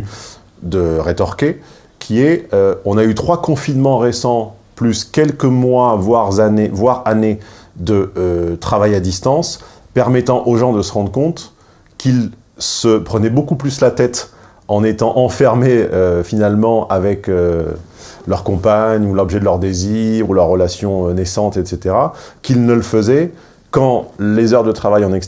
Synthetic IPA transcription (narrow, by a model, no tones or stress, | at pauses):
d̪əʁet̪ɔʁkʲe | kʲʰiɛøɔ̃nayt̪χwakɔ̃finmɑ̃ʁesɑ̃plyskʲɛlkəmwavwaʁzanevwaʁaned̪əøt̪χavajad̪ist̪ɑ̃s | pɛʁmɛt̪ɑ̃ʔoʒɑ̃d̪əsəʁɑ̃d̪ʁəkɔ̃t̪ | kʲʰil | səpχənɛbokuplyslat̪ɛt̪ | ɑ̃net̪ɑ̃ʔɑ̃fɛʁmeøfinalmɑ̃avɛkø | lœʁkɔ̃paɲulɔbʒɛd̪əlœʁd̪eziʁulœʁːəlasjɔ̃ønɛsɑ̃t̪ɛt̪set̪eʁakilnələfəzɛ | kɑ̃lezœʁd̪ət̪χavajɑ̃nɛks